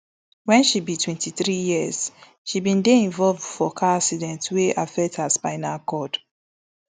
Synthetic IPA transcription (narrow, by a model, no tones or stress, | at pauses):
wɛ̃nʃibitʰwɛ̃ntʰiθɹijiəz̥ | ʃibĩndeĩɱvɔlvdfɔkʰaasidɛ̃ntweʔafɛk̚thaspaɪnakɔd̥